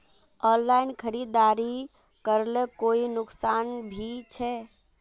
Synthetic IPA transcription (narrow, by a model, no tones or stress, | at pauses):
ɔnlainkʰəɾid̪aɾi | kəɾlekoinʊksanbʱit͡ʃʰɛ